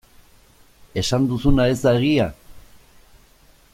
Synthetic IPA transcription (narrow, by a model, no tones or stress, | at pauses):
e̞sand̪usunae̞zd̪aeɣia